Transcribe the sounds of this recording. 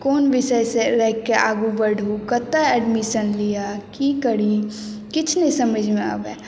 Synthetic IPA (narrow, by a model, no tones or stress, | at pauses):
koːnʋɪsəseɾɛɦkeʔaːɡubəɖʱukət̪aɛɖmisənlijakikəɽikɪt͡ʃʰnesəməd͡ʒʱmẽa̰ːbɛ̰ː